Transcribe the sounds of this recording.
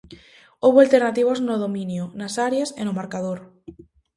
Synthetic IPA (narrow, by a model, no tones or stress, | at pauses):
oβualt̪eɾnat̪iβ̞oznoð̞omĩnjonasaɾjasḛnomaɾkað̞oɾ